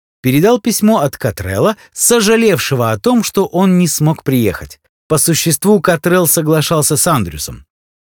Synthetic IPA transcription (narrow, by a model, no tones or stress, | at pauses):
pʲɪɾʲɪd̪alˠpʲɪsʲmo̞ɐt̪kɐt̪ɾɛ̰lˠə | səʐɨlʲe̞fʂɨvəɐt̪o̞mʂt̪o̞ʔo̞nnʲɪsmo̞kpɾʲɪjḛxətʲ | pəsʊɕːɪst̪vukɐt̪ɾɛlˠsəɡlˠɐʂɑlˠsʲəsand̪ɾʲɪʊsə̰m